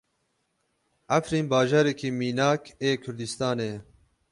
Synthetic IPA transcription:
afɾiːnbɑːʒaːɾekʰiːmiːnaːkʰeːkʰʊɾd̪ist̪ɑːneː

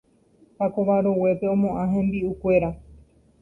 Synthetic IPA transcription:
pako̞ʋaɾowe̞pe̞õmõ̞ʔãɦẽmbiukʷe̞ɾa

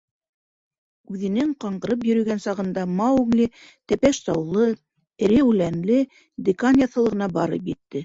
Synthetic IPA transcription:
ʉðɘ̆nɘŋqɑɴɢɤ̆ɾɤp̬jɵ̆ɾɵ̆ɡænsɑʁɤ̆nd̪ɑmɑwɡlʲɘ | t̪æpæʃsɑwlˠɤ̆ | ɾewʉlænlɘ | d̪ʲɪkanʲjaθɤ̆lˠɤ̆ʁɤ̆nɑbɑɾɤ̰pjɘ̆t̪ːɘ

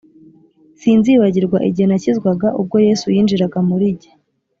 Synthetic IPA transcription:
siːnziːβaɟiɾɡwaʔiɟihenacizɡwaɡaʔub̚ɡo̞je̞ːsujiːnd͡ʒiɾaɡamuɾiɟe̥

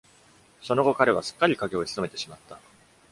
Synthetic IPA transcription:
so̞no̞ɡo̞kaɾe̞βasɨ̥kːaɾʲikaɡe̞o̞isɨ̥so̞me̞t̪e̞ɕimat̪ːa

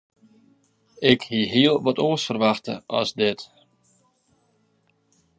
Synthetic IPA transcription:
ɪkhiɦiəlˠʋɔtoːsfərʋaxtə̰ʔɔ̰sdɪt

